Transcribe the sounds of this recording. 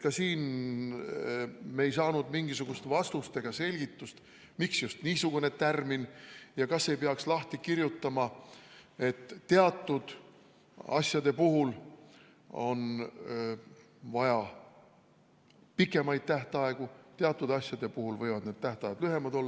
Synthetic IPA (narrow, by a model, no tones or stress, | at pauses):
kɑsiːn | mejsɑːnud̪miŋɡisuɡ̥ust̪vɑst̪ust̪e̞ɡ̥ɑse̞lʲɡ̥it̪ːust̪ | miksjust̪niːsuɡ̥une̞t̪ærminjɑkɑsːe̞jpeɑkslɑht̪ikiɾjut̪ːɑmɑ | e̞t̪ːe̞ɑt̪ːˑud̪̥ | ɑ̰sjɑd̪e̞puɦul | o̞̰n | vɑjɑ | pikːˑe̞mɑjd̪̥̚t̪æht̪ɑe̞ɡ̥ut̪eɑt̪ˑːud̪ɑsʲjɑd̪e̞puhulvɤjvɑd̪̥neːd̪̚t̪æht̪ɑjɑd̪lyɦe̞mɑd̪o̞lː